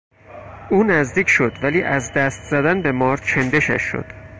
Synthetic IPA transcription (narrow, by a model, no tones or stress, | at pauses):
ʔuːnæzd̪iːcʰʃo̞d̪væliːʔæzd̪æst̪z̥æd̪ænbe̞mɒːɾt͡ʃʰend̪e̞ʃæ̰ʃːo̰d̪̥